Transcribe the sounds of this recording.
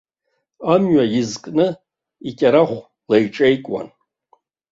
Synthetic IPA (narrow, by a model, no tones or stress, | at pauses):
amɥajɪzkʼnɨ | ikʲʼaɾaχʷ | lejʈ͡ʂʼejkʼwa̰n